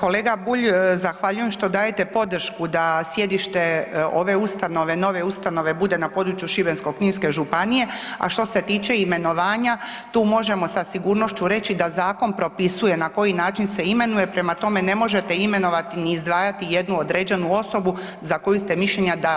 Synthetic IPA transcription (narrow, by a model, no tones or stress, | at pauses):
ko̞leːɡabuʎzaxʋaʎuje̞mʃt̪o̞d̪aːjet̪e̞po̞d̪r̩ʃkud̪asje̞d̪iʃt̪e̞o̞̰ʋe̞ust̪ano̞ʋe̞no̞ʋe̞ust̪ano̞ʋe̞bud̪e̞napo̞d̪ɾut͡ʃjuʃibenskokɲiːnske̞ʒupanije̞a̰ʃt̪o̞se̞t̪iːt͡ʃe̞ime̞no̞ʋaːɲat̪uːmo̞ʒe̞mo̞sasiɡuːɾno̞ʃt͡ɕuɾe̞t͡ɕid̪azaːko̞npɾo̞pisuje̞nako̞jinaːt͡ʃinse̞ime̞nuje̞pɾe̞mat̪o̞me̞ne̞mo̞ʒe̞t̪e̞ime̞no̞ʋat̪iniːzd̪ʋaːjat̪ije̞d̪nuod̪ɾe̞ːd͡ʑe̞nuo̞so̞bu | zako̞just̪e̞miʃʎeɲad̪a